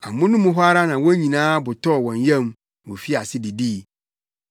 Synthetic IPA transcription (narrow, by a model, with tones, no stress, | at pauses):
a˨mʊ̃˦nʊ̃˦mũ˦ɦʊ˦a˦ɾa˦nã˨wɔ̃˦ɲĩ˨nãː˦bʊ˨tʰɔ˦˨wɔ̃˨njɛ̃˦m | wɔ˨fi˦a˨sɪ˦di˨diː˦˨